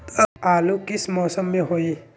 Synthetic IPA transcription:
t̪əalukismɔːsəmːeɦoi

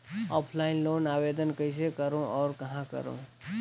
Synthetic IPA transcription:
ɔːpʰlaːɪnloːnaːʋeːd̪ənkəɪs̬ekɐɾõʔɔːɾkɐɦãkɐ̰ɾõ̰

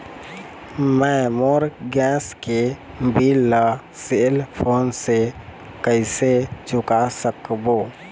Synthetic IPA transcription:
mɛ̃moːɾɡɛ̃ːske | bilːa | selpʰoːnse | kəɪset͡ʃʊkasəkboː

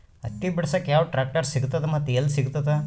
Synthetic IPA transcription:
ɐ̰t̪ːibiɽɐsɐkːjaːʋɐʈɾaːk̚ʈɐɾsiɡut̪ːɐt̪ːemɐt̪ːelːsiɡut̪ɐt̪ːe

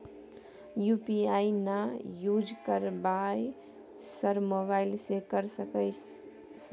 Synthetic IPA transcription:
jupiainajud͡ʒkəɾbaj | səɾmoβaɪlsekəɾsəkə | sə

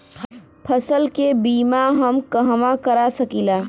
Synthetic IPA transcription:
pʰɐsəlkebiːmaɦɐmkɐɦʋakɐɾasɐkiːlaː

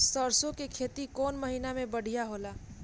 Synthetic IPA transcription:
st̪əɾsõkekʰeːt̪ikɔːnmɐɦiːnamẽbɐɽ̤ijaɦoːlaː

